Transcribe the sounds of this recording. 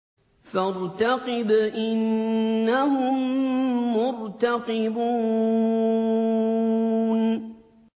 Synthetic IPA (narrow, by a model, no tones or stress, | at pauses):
faɾt̪aqɪbaʔɪnːahʊmː | ʊɾt̪aqɪbuː | n